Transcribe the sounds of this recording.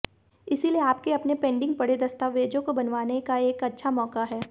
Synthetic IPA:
ɪsilieaːpkeɐpnepẽːɳɖɪ̃ŋɡ̚pɐɽed̪ɐst̪aːʋeːd͡ʒõkobɐnʋaːnekaeːkɐtːʃʰamɔːkaɦɛː

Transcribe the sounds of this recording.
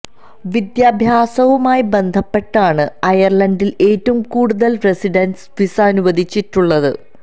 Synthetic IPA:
ʋid̪jaːbʱjaːsɐʋumaːjibe̞nd̪ʱɐpːe̞ʈːaːɳɨɐjɐrɭɐndile̞ːtːɐumkuːɽuðɐlresiɖɐnsʋisaːnuʋɐd̪ʱit͡ɕːitːuɭːɐðɨ̰

